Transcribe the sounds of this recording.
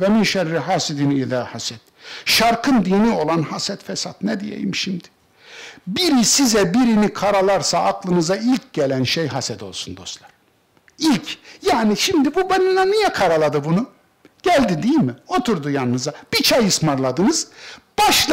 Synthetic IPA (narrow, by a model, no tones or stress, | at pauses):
vɛminʃɛɾːiɦaːsid̪inilʲaːhasɛt̪̚ʃaɾkʰɯnd̪iːnio̞lˠanhasɛt̪fɛsat̪nɛd̪ijḛjimʃimd̪ɪ̥ | biɾisizɛbiɾinikʰaɾalˠaɾsaːklˠɯnɯzailʲcɟelʲænʃejɦasɛt̪o̞lˠsund̪o̞st̪lˠaɾ̥ | ilʲcʰjaːniʃimd̪ibubeninlɛnijɛkʰaɾalˠad̪ɯbunu | ɟ̥ælʲd̪id̪ijilʲmio̞t̪ʰuɾd̪ujannɯzab̥it͡ʃʰajɯsmaɾlˠad̪ɯnɯzb̥aʃˠ